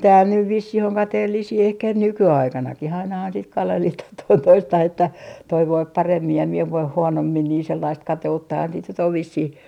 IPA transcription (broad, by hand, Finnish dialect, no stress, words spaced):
tæːl nyʋ ʋisːih oŋ kɑteːlːisiː ehkæ nykyɑikɑnɑkih ɑinɑhɑn sit kɑlehlitɑh toin toistɑh etːæ toi ʋoip pɑremːi jɑ mie ʋoih huonomːin niːn selːɑist kɑteutːɑhɑn sit nyt oʋ ʋisːih